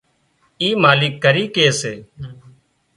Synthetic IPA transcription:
iːmaːliːkːəɾiːkeːseː

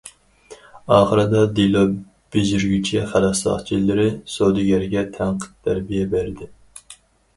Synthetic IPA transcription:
ɑːχəɾɨd̪ɑd̪ilˠo | b̥ezyɾɡʲyt͡ʃʰɛχælɑsɑ̰χt͡ʃʰilɪɾɪsod̪ɨɡʲɛɾɡʲɛt̪ʰæŋqʰə̥t̪ʰːæɾbijɛbæɾɪd̪ɪ

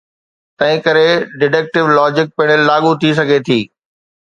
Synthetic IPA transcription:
t̪ɐ̃ɦɪ̃kɐɾeɖɪʈɛːk̚ʈɪʋlɔːd͡ʑɪk̚pɪɽ̃əlːaːɠut̪ʰis̬ɐɡʱet̪ʰiː

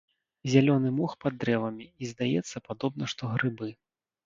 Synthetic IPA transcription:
zʲalʲɔnɨmɔxpad̪ːɾɛvɐmʲiizd̪ajɛt̪sːɐpad̪ɔbnɐʂt̪ɔɣɾɨbɨ

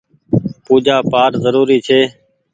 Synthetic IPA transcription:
puːd͡ʒaːpaːɾzəɾuːɾiːt͡ʃʰeː

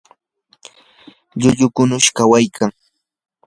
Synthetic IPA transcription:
ʎʊʎʊkʊnʊʃkawajkʰaŋ

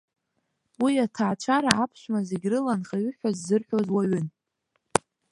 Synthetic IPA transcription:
wiatʰaːt͡ʃʷʰaɾaapʰʃʷmazeɡʲrɨlanχaɥʏħʷᶣazːɨrħʷᶣozwaɥʏn

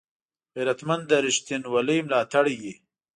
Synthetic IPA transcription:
eɾat̪mand̪aɾɪʃt̪inwalimlɑːt̪aɽije

